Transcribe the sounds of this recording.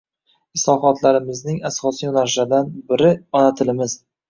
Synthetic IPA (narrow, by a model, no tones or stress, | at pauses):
ɪslɒɦɒt̪ʰlaɾɪmɪznɪŋasɒsijnaɾʃad̪anbɪɾɪɒnat̪ʰɪlɪmɪz̥